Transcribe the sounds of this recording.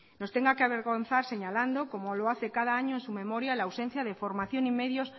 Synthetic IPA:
no̞st̪eŋɡakeaβ̞e̞ɾɣo̞n̟θaɾse̞ɲaland̪okomoloaθe̞kaðaaɲoensume̞moɾjalaːwsen̟θjaðefoɾmaθjonimeðjos

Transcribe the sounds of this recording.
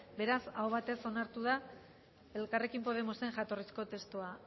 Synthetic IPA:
be̞ɾasaoβ̞at̪e̞so̞naɾt̪uða | e̞lkare̞kimpo̞ð̞emo̞se̞ŋʝat̪o̞risko̞t̪e̞st̪ua

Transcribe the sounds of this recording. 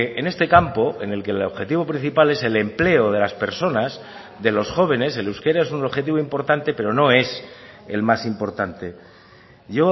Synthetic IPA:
ʔene̞st̪e̞kampo̞e̞ne̞lke̞lo̞βxe̞t̪iβo̞pɾĩn̟θipale̞se̞le̞mple̞oð̞e̞laspe̞ɾso̞naz | ðe̞lo̞sxo̞β̞e̞ne̞selewske̞ɾaesunoβxe̞t̪̬iβo̞impo̞ɾt̪ant̪e̞pe̞ɾo̞no̞e̞se̞̰lmasimpo̞ɾt̪ant̪e̞ | ʝo̞

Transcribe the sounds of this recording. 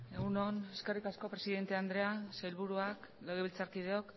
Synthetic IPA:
e̞ɣunoneske̞rikasko̞pɾe̞siðe̞nt̪e̞and̪ɾe̞asajlβuɾuak | leɣ̞eβilt͡saɾkið̞e̞o̞k

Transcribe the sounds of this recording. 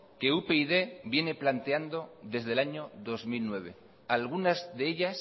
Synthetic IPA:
ke̞upeið̞e̞bje̞ne̞plant̪e̞and̪o̞ðe̞zðe̞laɲo̞ðo̞zmilnwe̞β̞e̞̰ | alɣunazðeeʎas

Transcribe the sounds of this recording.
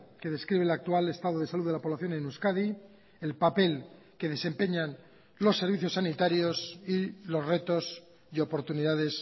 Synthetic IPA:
ke̞ðe̞skɾiβ̞e̞lak̚t̪uale̞st̪aðoð̞e̞saluðelapo̞βlaθjo̞nẽnuskaði | elpape̞l | ke̞ðe̞se̞mpeɲan | lo̞sːe̞ɾβiθjo̞sːanit̪aɾjo̞silo̞zre̞t̪o̞s | io̞po̞ɾt̪uniðaðe̞s

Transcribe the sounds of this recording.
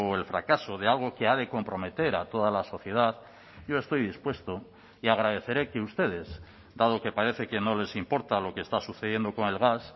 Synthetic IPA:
elfɾa̰kaso̞ðealɣ̞o̞ke̞aðe̞ko̞mpɾo̞me̞t̪e̞ɾat̪o̞ð̞alaso̞θje̞ð̞að | ɟ͡ʝo̞e̞st̪o̞jðispwe̞st̪o | iaɣ̞ɾað̞e̞θe̞ɾe̞keust̪e̞ð̞e̞z | d̪að̞o̞ke̞paɾe̞θe̞ke̞no̞le̞simpo̞ɾt̪alo̞kest̪asuθeð̞je̞nd̪o̞ko̞ne̞lɣas

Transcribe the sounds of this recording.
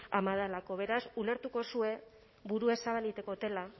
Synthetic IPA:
amaðalako̞β̞e̞ɾasule̞ɾt̪uko̞sue̞ | βuɾue̞saβalit̪e̞ko̞t̪e̞la

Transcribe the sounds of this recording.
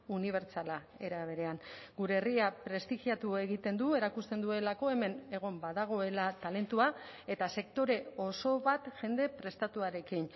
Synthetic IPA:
uniβ̞e̞ɾt͡sala | e̞ɾaβ̞e̞ɾe̞aŋ | ɡuɾe̞ːriapɾe̞st̪iʝiat̪ue̞ɣit̪e̞nd̪ue̞ɾakust̪e̞nd̪ue̞lako̞e̞me̞ne̞ɣ̞o̞mbaðaɣ̞o̞e̞lat̪ale̞nt̪ua | e̞t̪ase̞kt̪o̞ɾe̞o̞so̞βat̪ʝe̞nd̪e̞pɾe̞st̪at̪uaɾe̞kin

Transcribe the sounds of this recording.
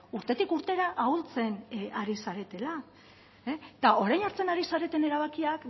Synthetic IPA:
uɾt̪e̞t̪ikuɾt̪e̞ɾaʔault͡se̞naɾisaɾe̞t̪e̞la | t̪ao̞ɾajnoɾt͡se̞naɾisaɾe̞t̪e̞ne̞ɾaβ̞akiak

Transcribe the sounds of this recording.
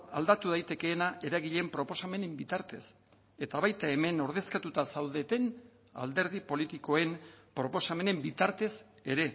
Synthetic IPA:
ald̪at̪uð̞ajt̪e̞ke̞ːnaʔe̞ɾaɣiʎe̞mpɾo̞po̞same̞ne̞mbit̪aɾt̪e̞s | e̞t̪aβajt̪ae̞me̞no̞ɾð̞e̞skat̪ut̪asawðe̞t̪e̞n | a̰ld̪e̞ɾðipo̞lit̪iko̞e̞mpɾo̞po̞same̞ne̞mbit̪aɾt̪e̞s | e̞ɾe̞

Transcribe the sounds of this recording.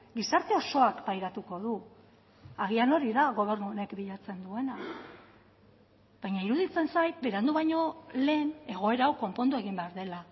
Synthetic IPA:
ɡisaɾt̪e̞o̞so̞akpajɾat̪uko̞ðu | aɣ̞iano̞ɾiðaɣo̞β̞e̞ɾnuone̞kbiʎat͡se̞nd̪ue̞na | βajɲaiɾuðit͡se̞nsajt̪be̞ɾand̪uβajɲo̞le̞ːne̞ɣ̞o̞e̞ɾawko̞mpo̞nd̪ue̞ɣ̞imbe̞aɾðe̞la

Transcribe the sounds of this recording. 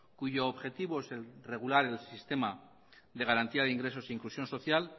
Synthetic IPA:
kuʝo̞ːβxe̞t̪iβoese̞lre̞ɣ̞ulaɾelsist̪e̞ma | d̪e̞ɣaɾant̪iaðeiŋɡɾe̞so̞seiŋklusjo̞nso̞θjal

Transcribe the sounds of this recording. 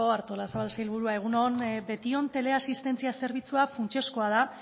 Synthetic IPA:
oaɾt̪o̞lasaβalsajlβuɾuae̞ɣ̞unonbe̞t̪io̞nt̪e̞le̞asist̪e̞nt͡siase̞ɾβ̞it͡suafunt͡ʃe̞skoað̞a

